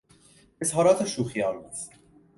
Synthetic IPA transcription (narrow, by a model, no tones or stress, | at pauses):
ezɦɒːɾɒːt̪ʰeʃuːxijɒːlbus